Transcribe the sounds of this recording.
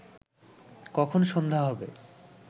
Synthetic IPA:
kɔkʰonʃond̪ʱaɦɔbḛ

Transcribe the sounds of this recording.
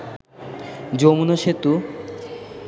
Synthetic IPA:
d͡ʑomunoʃet̪u

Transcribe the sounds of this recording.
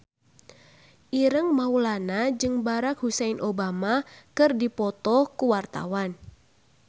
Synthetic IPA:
ʔiɾəŋmaulanad͡ʒɨŋbaɾakhusɛinʔobamakɨrdipɔt̪ɔkuwart̪a̰wan

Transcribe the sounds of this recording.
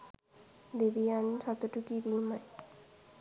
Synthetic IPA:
d̪ebiant͡ɕʰat̪oʈukibimaj

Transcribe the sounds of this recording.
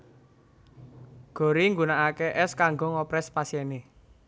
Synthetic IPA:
ɡ̥o̤ɾiŋɡunaakeʔɛskaŋɡɔŋɔpɾɛspasjɛne

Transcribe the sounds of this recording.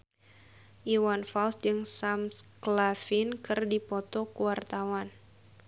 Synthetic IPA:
ʔiwanfalsd͡ʒɨŋsamsklafɪnkɨrdipɔt̪ɔkuwart̪awan

